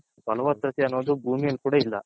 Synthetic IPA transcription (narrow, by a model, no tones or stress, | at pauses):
pɐlɐʋɐt̪ɾɐt̪iɐnːoːd̪ubʱuːmijɐlkuːɽailːɐ̰